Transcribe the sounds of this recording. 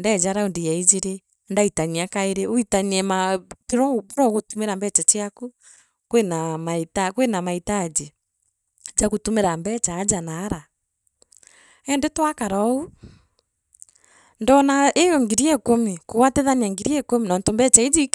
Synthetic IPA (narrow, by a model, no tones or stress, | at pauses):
ndɛd͡ʒaɾaondijaid͡ʒeɾe | ndaitaɲiakaeɾeoitaɲiɛmatiɾɔβuɾɔɣotumeɾambɛt͡ʃat͡ʃiaku | kwenamaitakwenamaitad͡ʒe | d͡ʒakotumeɾambɛt͡ʃaːd͡ʒanaːɾa | ɛndetwakaɾɔu | ndɔnaejɔŋɡiɾiɛkomekowateðaniaŋɡiɾiɛkomenɔːntɔmbɛt͡ʃaid͡ʒik